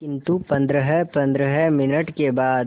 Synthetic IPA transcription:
kɪ̃nt̪upɐ̃nd̪ɾəɦɛpɐ̃nd̪ɾəɦɛmɪnəʈkebaːd̪

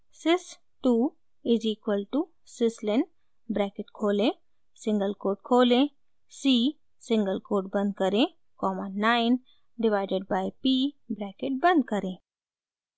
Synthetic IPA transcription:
sɪs | ʈuː | ɪziːkwəlʈu | sɪslɪn | bɾɛːkɪʈkʰoːlẽ | sɪ̃ŋɡəlkoːɾʈ̚kʰoːlẽ | siː | sɪ̃ŋɡəlkoːɾʈ̚bɐ̃nd̪̚kəɾẽ | kɔːmə̃nːaɪn | ɖɪʋaɪɖeɖ̚baːɪpiːbɾɛːkɪʈ̚bɐ̃nd̪̚kəɾẽː

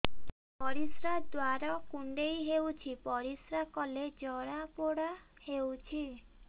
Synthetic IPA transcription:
pɔɾisɾad̪waɾɔkuɳɖejɦewt͡ʃʰipɔɾisɾakɔled͡ʒɔɽapoɽahewt͡ʃʰi

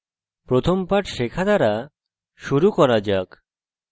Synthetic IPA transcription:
pɾot̪ʰompaʈʃekʰad̪aɾa | ʃuɾukɔɾad͡ʒak

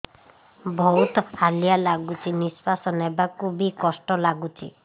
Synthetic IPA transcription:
bʱɔwt̪aljalaɡut͡ʃʰinispasɔnebakubikɔsʈɔlaɡut͡ʃʰḭ

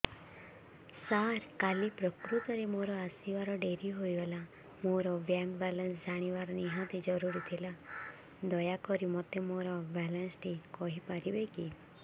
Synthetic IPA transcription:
saɾkalipɾɔkɾut̪ɔɾemoɾɔasibaɾɔɖeɾiɦojbela | moɾɔbjaŋɡbɛlɔnsd͡ʒaɽ̃ibaɾɔniɦãt̪id͡ʒɔɾuɾit̪ʰila | d̪ɔjakɔɾimɔt̪emoɾɔbɛlansʈʰikɔɦipaɾibeki

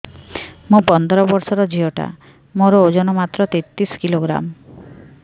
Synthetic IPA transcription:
mõpɔnd̪ʱɔɾɔbɔɾsɔɾɔd͡ʒiɔʈa̰ | moɾɔod͡ʒɔnɔmat̪ːɾɔt̪et̪ːɾiskiloɡɾa̰m

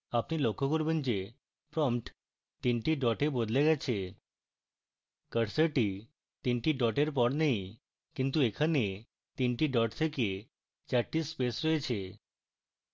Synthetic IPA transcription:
apnilokɔ̃kuɾbʱənt͡ɕe | pɾɔmʈ | t̪inʈiɖɔʈebod̪leɡat͡ɕʰe | kəɽsəʈi | t̪iɳʈiɖɔʈeɾpɔɽnaɦi | kint̪uekʰane | t̪inʈiɖɔʈsʰeke | t͡ɕaʈispesɾəet͡ɕʰe

